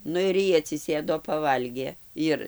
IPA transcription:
ˈnʊ ɪr ˈjiː ɐtʲsʲɪˈsʲeːdoː pɐˈʋɐlʲɡʲeː ˈjɪr

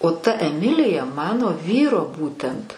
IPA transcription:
oː tɐ ɛˈmʲɪlʲɪjɛ ˈmɑːnoː ˈʋʲiːroː ˈbuːtʲɛnt

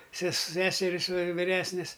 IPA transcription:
sʲɛs ˈsʲæːsʲɛrʲɪs ʋʲɪr ʋʲɪˈrʲæːsʲnʲɪs

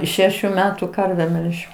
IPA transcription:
ˈʃʲæːʃʲʊ ˈmʲæːtʊ ˈkɐrʲʋʲɛ ˈmʲɛlʲʒʲɛʊ

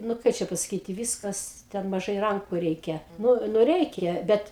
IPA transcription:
nʊ ˈkɐɪ t͡ʃʲɛ pɐsɐˈkʲiːtʲɪ ˈʋʲiːskɐs ˈtʲɛn mɐˈʒɐɪ ˈrɐŋkʊ ˈrʲɛɪkʲɛ nʊ nʊ ˈrʲɛɪkʲɛ ˈbʲɛt

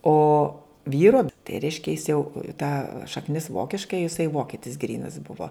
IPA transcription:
ˈoː ˈʋʲiːroː tɐɪ ˈrʲɛɪʃʲkʲɛ jɪs jɛʊ tɐ ʃɐkˈnʲɪs ˈʋoːkʲɪʃkɐ jɪˈsɐɪ ˈʋoːkʲɪtʲɪs ˈɡrʲiːnɐs ˈbʊʋoː

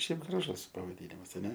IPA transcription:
ˈʃʲɛɪp ɡrɐˈʒʊs pɐʋɐˈdʲiːnʲɪmɐs ɐˈnʲɛ

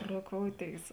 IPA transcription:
roːˈkoːʊˌtʲeːɪs

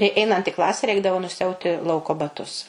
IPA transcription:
ɪ ˈɛɪnɐnt iː ˈklˠɑːsʲɛ ˈrʲɛɪɡdɐʋoː nʊsʲɪˈɐʊtʲɪ ˈlˠɐʊkoː bɐˈtʊs

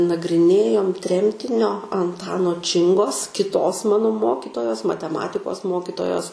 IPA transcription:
nɐɡrʲɪˈnʲeːjoːm ˈtʲrʲɛmʲtʲɪnʲoː ɐnˈtɑːnoː ˈt͡ʃʲɪŋɡoːs kʲɪˈtoːs ˈmɑːnoː ˈmoːkʲɪtoːjoːs mɐtʲɛˈmɑːtʲɪkoːs ˈmoːkʲɪtoːjoːs

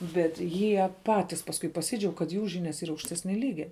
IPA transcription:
bʲɛt ˈjiɛ ˈpɑːtʲɪs pɐsˈkʊɪ pɐˈsʲiːd͡ʒʲɛʊk kɐt ˈjuː ˈʒʲiːnʲɛs ˈiːrɐ ɐʊkʃʲˈtʲæːsʲnʲɛ ˈlʲiːɡʲɛ

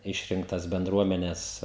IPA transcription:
ˈɪʃʲrʲɪŋktɐs bʲɛnˈdruɔmʲɛnʲɛs

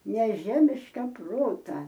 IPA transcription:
nʲɛˈʒʲæːmʲɪʃkɐ ˈproːtɐ

